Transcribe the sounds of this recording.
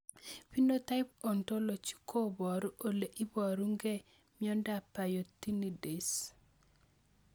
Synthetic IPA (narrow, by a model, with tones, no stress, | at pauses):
pi˦no˦t̪a˦jp̚ɔ˨nto˦lo˨t͡ʃi̥˦kʰo˦bɔ˨ɾu˦ʔo˨le˨ʔi˦bɔ˨ɾu˦ŋɡe˦ | mjɔ˦nda˨pa˨jo˨t̪i˦ni˨de˨s